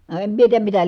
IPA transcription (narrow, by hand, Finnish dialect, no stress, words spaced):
no em mie tiːjæm mitæ